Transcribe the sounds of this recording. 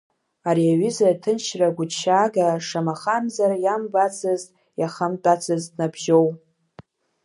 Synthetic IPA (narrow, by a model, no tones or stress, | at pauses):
areɥizartʰɨnʃraɡʷʊʃaːɡaʂamaχamzarjambat͡sʰɨztʼ | jaχamtʼat͡sʰɨzdnabʒow